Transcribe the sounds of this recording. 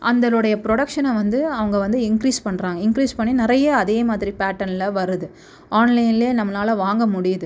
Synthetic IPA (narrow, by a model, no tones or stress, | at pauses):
ʔɐ̰nd̪ɐlɯɽɐjɐpɾɔɽɐkʂɐnɐʋɐnd̪ɯɐʋɐŋɡɐʋɐnd̪ɯɪŋkɾiːspɐɳːɾaːŋɡɐɪŋkɾiːspɐɳːinɪɾɐjɐːðeːmaːðɪɾipaːʈːɐnɪlɐʋɐɾɯðɯ | aːnlɐɪnɪleːnɐmːɐnaːlɐʋaːŋɡɐmʊɽɪjɐðɯ